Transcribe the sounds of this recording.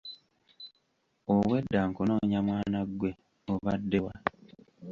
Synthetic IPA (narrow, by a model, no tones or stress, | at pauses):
owe̞dːaːŋkuno̞ːɲamwaːnaɡwe̞ | oβadːe̞wa